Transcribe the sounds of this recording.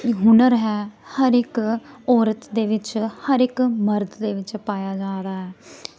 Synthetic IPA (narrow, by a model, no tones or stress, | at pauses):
ɦʊnəɾɦɛːhəɾɪkɔːɾət̪d̪eːʋɪt͡ʃhəɾɪkməɾd̪d̪eːʋɪt͡ʃpaːjaːd͡ʒaːɾaːɦɛː